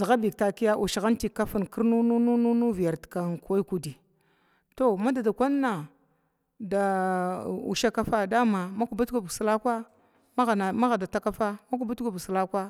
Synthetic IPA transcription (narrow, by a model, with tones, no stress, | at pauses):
za˨ɣa˦bi˨k̚ta˨ki˦ja˦ʔu˨ʃɣa˦n˦ti˨ka˦fu˨nki˦ɾnu˦nu˦nu˦nu˦nu˦vi˨ja˨ɾtka˨kku˨di˨ | to˦ma˦da˨da˨kʷa˦nːa˨ | da˨ | ṵ˨ʃa˦ka˦fa˦da˦ma˨ma˦ku˨ba˦tku˨bsla˦kʷa˦ | ma˦ɣa˨ma˦ɣa˨da˨ta˦ka˦fa˦ma˦ku˨ba˦tɡu˨bsla˦kʷa˦